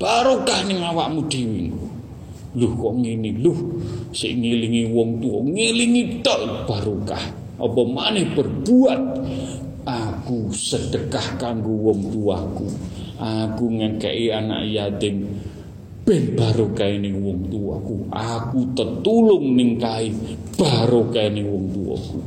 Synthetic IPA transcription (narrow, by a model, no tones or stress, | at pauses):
b̥aɾokahnɪŋawaʔmud̪̥iwiŋko | lʊhkɔʔŋinilʊhsɪ̰ʔŋiliŋiwɔŋt̪uɔ̰ŋiliŋit̪ɔʔb̥aɾoka̰h | ʔɔ̰pɔmanɛhb̥ərb̥uat̪̚ | akusəd̥əkahkaŋɡowɔŋt̪uɔakuakuŋanka̰ʔiana̰ʔjat̪ɪn | b̥ɛnb̥aɾokainɪwɔŋt̪uɔ̰kuakut̪ət̪ulʊŋnɪŋkaɪ | b̥aɾokainɪŋwɔŋt̪uɔ̰kṵ